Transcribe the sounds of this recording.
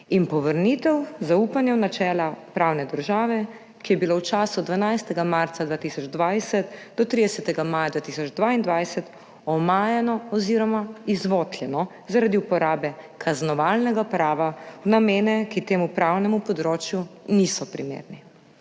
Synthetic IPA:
inpɔʋəɾnit̪ɛwzaupanjɛwnat͡ʃɛːlapɾawnɛd̪əɾʒaːʋɛ | kijɛbilowt͡ʃaːsud̪ʋanajst̪ɛɡamaɾt̪sad̪ʋaːt̪isɔd͡ʒd̪ʋajsɛt̪d̪ɔt̪ɾid̪ɛsɛt̪ɛɡamaːjad̪ʋaːt̪isɔd͡ʒd̪ʋaind̪ʋajsɛt̪ | ɔmaːjanɔɔziːɾɔmaizʋɔt̪ljɛnɔ | zaɾad̪iupɔɾaːbɛkʰaznɔʋalnɛɡapɾaːʋawnameːnɛkit̪eːmupɾawnɛmupɔd̪ɾoːt͡ʃjunisɔpɾḭmḛːɾni

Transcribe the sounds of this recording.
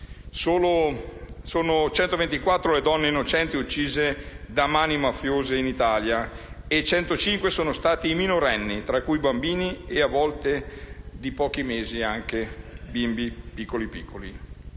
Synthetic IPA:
soːlo | soːnot͡ʃɛnt̪ovent̪ikwat̪ːɾoled̪ɔnːeinːot͡ʃɛnt̪iut͡ʃːiːze | d̪amaːnimafːjoːzeinit̪aːlja | et͡ʃɛnt̪ot͡ʃiŋkwesoːnost̪aːt̪iːminoɾɛnːit̪ɾakːujbambiːnieavːɔlt̪ed̪ipɔːk̟imeːziaŋkebimbipikːolipikʰːoli

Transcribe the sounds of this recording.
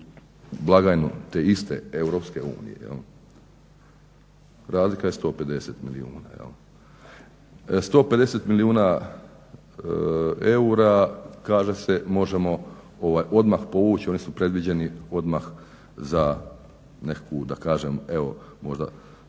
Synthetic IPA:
blˠaɡajnut̪eist̪ḛewɾo̞ːpske̞ṵːnḭjejḛl | ɾaːzlikajest̪o̞ːpe̞d̪e̞set̪milḭuːna̰jḛl | st̪o̞ːpe̞d̪e̞se̞t̪miliuːna | euɾakaːʒe̞se̞mo̞ʒemo̞ | oʋaːjo̞d̪maxpo̞ʋuːt͡ɕio̞nisupɾe̞d̪ʋid͡ʑe̞nio̞d̪max | za | ne̞kakʰud̪akaːʒeme̞o̞mo̞ʒd̪a̰

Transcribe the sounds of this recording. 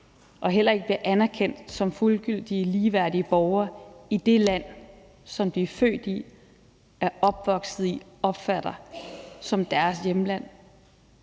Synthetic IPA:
ʔɒ̽ɦel̰ɐe̝ɡ̥əb̥liʔænæɐkʰen̰d̥sɒ̽mfulɡ̥yl̰d̥iəliːʋæɐ̰d̥iəb̥ɒʊɐid̥e̝læn̰ | sɒ̽md̥iæfø̰ːd̥i | æɐɒ̽b̥ʋɒ̽ɡ̥sð̩ˠiɒ̽b̥fæɾ̥ɐsɒ̽md̥æɐsjemlæn̰

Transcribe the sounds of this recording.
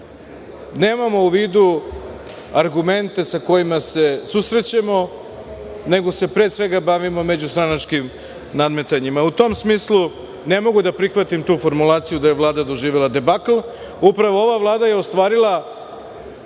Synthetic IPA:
neːmamo̞uʋiːd̪u | aɾɡume̞nt̪e̞sako̞jimase̞susɾe̞t͡ɕamo̞ | ne̞ɡose̞pɾeːsʋe̞ɡabaʋimo̞me̞d͡ʑust̪ɾanat͡ʃkim | nad̪me̞t̪aɲimaut̪o̞msmiːslˠu | ne̞mo̞ɡud̪apɾixʋat̪imt̪uːfo̞ɾmulˠaːt̪sijud̪ajeʋlˠaːd̪ad̪o̞ʒiːʋelˠad̪e̞baklˠ | upɾaʋo̞oʋaʋlˠaːd̪aje̞ost̪ʋaːɾilˠa

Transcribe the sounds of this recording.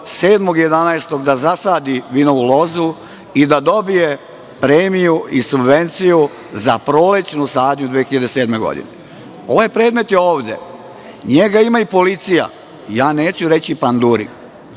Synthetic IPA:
se̞ːd̪mo̞ɡje̞d̪anaest̪o̞ɡd̪azasaːd̪iʋino̞ʋulo̞zu | id̪ad̪o̞bije̞ | pɾeːmijuisubʋe̞nt̪siju | zapɾo̞let͡ɕnusaːd̪ɲud̪ʋeːxiʎad̪ese̞ːd̪me̞ɡo̰d̪ḭnḛ | o̞ʋajepɾe̞ːd̪me̞t̪je̞oːʋd̪e̞̰ | ɲeɡaimaipo̞lit̪sija̰ | jaːne̞ːt͡ɕuɾe̞t͡ɕipand̪uːɾḭ

